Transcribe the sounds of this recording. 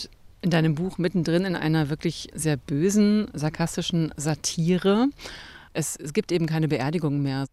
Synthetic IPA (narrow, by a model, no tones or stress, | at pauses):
ʔɪndaɪnəmbuːxmɪtn̩dʁɪnɪnʔa̰ɪnɐvɪɐklɪçzeːɐbøːzn̩zaɐkʰastɪʃn̩zatʰiːʁə | ʔɛsɡ̥iːp̚tʔeːbm̩kʰaɪnəbəʔeːɐdɪɡʊŋmeːɐ